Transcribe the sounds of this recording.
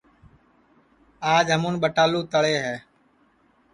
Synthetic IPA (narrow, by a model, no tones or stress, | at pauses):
aːd͡ʒɦəmũːnɓəʈaːluːt̪əɭeːɦɛː